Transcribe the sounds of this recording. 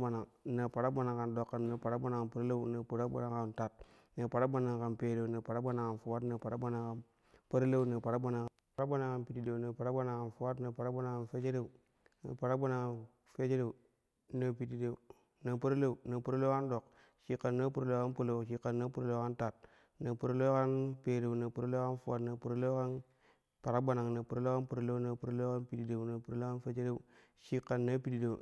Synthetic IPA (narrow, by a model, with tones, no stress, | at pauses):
a˨na˨na˨pa˨ɾa˦ba˦na˨ŋka˨ndo˨kːa˨na˨pa˨ɾa˦ba˦na˨ka˨npə˦ɾla˦u˦˨na˨pu˨ɾa˦ba̰˦na˨ka˨nta˨t̚ | na˨pa˨ɾa˦ba˦na˨ŋka˨npe˨de˨u˨na˨pa˨ɾa˦ba˦na˨ka˨nfu˨wa˦na˨pa˨ɾa˦ba˦na˨ka˨n | pə˦ɾla˦u˦˨na˨pa˨ɾa˦ba˦na˨ŋk | ɾa˦ba˦na˨ŋka˨npi˨ti˨da˨u˨na˨pa˨ɾa˦ba˦na˨ŋka˨nfu˨wa˦tna˨pa˨ɾa˦ba˦na˨ŋka˨nfe˦d͡ʒe˦de˨u˨ | na̰˨pa˨ɾa˦ba˦na˨ka˨n | fe˦d͡ʒe˦de˨u˨ | na˨pi˨ti˨de˨u˨ | na˨pu˦ɾlo˦u˨na˨pu˦ɾo˦lo˦ka˦ndo˨k | ʃi˨kːa˨nːa˦pu˦ɾo˦lo˦ka˦pu˦lo˨ʃi˨kːa˨nːa˦pu˦ɾo˦lo˦ka˦nta˨t̚ | na˨pu˨ɾo˦lo˦ka˦npe˨de˨u˨na˨pu˨ɾo˦lo˦ka˦nfa˦˨tna˨pu˨ɾlo˦ka˦n | pa˨ɾa˦ɡ͡ba˨na˨ŋna˨pu˨ɾo˦lo˦a˦npu˨ɾo˦lo˦na˨pu˨ɾo˦lo˦ka˦npi˨ti˨de˨u˨na˨pu˨ɾlo˦ka˦nfe˦t͡ʃe˦de˦u˦ | ʃi˦kːa˨nːa˦pi˨ti˨do˨